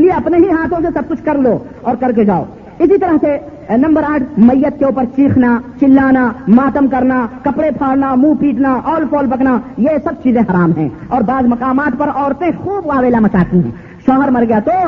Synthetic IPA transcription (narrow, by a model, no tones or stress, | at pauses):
lieɐpneɦiɦaːt̪ʰõsesɐb̚kʊt͡ʃʰkɐɾlo | ɔːɾkɐɾk̬ed͡ʒaːo̰ː | ɪsit̪ɐɾəɦse | nɐ̃mbəɾaːʈʰmɐjːət̪̚keuːpəɾt͡ʃiːkʰnat͡ʃɪlːaːnamaːt̪əmkɐɾnakɐpɽepʰaːɽnamũːpiːʈnaʔɔːlpʰɔːlbɐknajesɐb̚t͡ʃiːzẽɦɐɾaːmɦɛ̰̃ːɔːɾbaːzmɐkaːmaːt̪pɐɾɔːɾt̪ẽxuːbʋaːʋeːlamɐt͡ʃaːt̪iɦɛ̰̃ | ʃɔːɦəɾmɐɾɡɐjat̪o